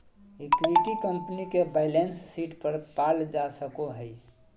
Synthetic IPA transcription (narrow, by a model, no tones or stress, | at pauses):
ikʋiʈikəmpnikebaɪlensːiʈpəɾpald͡ʒasəkoɦəi